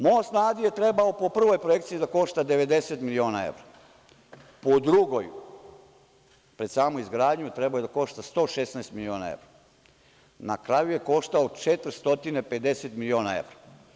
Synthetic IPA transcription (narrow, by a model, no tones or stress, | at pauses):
mojosnaːzijet̪ɾe̞baopo̞pr̩ʋo̞jpɾoje̞kt̪siid̪ako̞ʃt̪ad̪e̞ʋe̞d̪e̞set̪milio̞ːnaḛʋɾa | pod̪ɾuɡoj | pɾesaːmuizɡɾaːd̪ɲut̪ɾebaojd̪ako̞ʃt̪ast̪o̞ːʃesnast̪milio̞ːna̰ḛʋɾa | na̰kɾajujeko̞ʃt̪aot͡ʃet̪ɾst̪o̞t̪inepe̞d̪eset̪milio̞ːnae̞̰ʋɾa